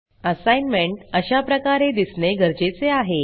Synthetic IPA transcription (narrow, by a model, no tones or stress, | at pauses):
əsajnmeɳʈəɕapɾəkaɾed̪isneɡəɾd͡ʑet͡seaɦe